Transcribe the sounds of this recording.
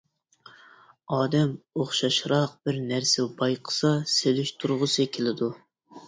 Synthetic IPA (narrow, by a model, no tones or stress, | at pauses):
ɑːd̪ɛmoχʃɑʃɾɑq̚b̥ɪɾnæɾsɪbɑjqʰə̥sɑselɪʃt̪ʰuɾʁʊsɪkʲʰelɪd̪u